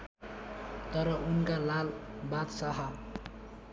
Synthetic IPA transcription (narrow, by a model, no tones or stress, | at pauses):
t̪ʌɾʌunkalalbat̪saɦa